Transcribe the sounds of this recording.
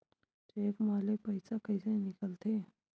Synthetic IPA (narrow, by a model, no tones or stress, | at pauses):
t͡ʃeːkmaːlɪk̚pəɪsakəɪsenɪkəlt̪ʰe